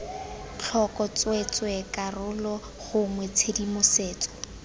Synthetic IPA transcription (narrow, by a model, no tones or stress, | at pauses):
t͡ɬʰɔkɔt͡swet͡swekarʊlɔ | χʊŋwet͡sʰedimʊseːt͡sɔ̥